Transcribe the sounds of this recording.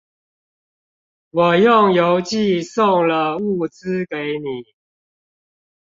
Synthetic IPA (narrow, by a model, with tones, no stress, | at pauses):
wɔ˨˩jʊ˥˨ŋjo˨˦ʊt͡ɕi˥˧˨sʊ˥˨ŋlə˨u˥˩t͡sɹ̩˦ke˨˦ɪni˨˩˦